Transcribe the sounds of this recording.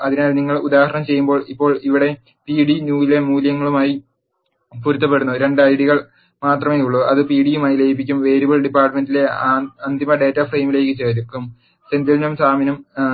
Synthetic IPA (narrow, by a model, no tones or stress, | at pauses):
ɐðinaːlniŋːɐɭud̪aːhɐɾɐɳɐmt͡ɕe̞jːumbo̞ːɭipːo̞ːɭiʋiɽe̞ | piːɽinuːjile̞muːljɐŋːɐɭumaːji | puɾut̪ːɐp̬ːe̞ɽunːuɾe̞ɳɖɨɐjɽiɣɐɭ | maːt̪rɐme̞ːjuɭːuɐðɨpiːɽijumaːjilejipːikʲːumʋe̞ːɾuʋoɭɖipːaːrʈɐme̞ndile̞ɐnd̪ʱimɐɖe̞ːtːafrejmile̞ːkːɨt͡ɕeːɾukːum | send̪ilnɐmsaːminɐm